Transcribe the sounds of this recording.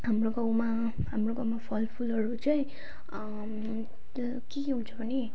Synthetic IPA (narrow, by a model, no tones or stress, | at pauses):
ɦamroɡʌwma | ɦamroɡʌwmapʰʌlpʰulʌɾut͡sʌĩ | kekeɦũnt͡sʰʌbʱʌne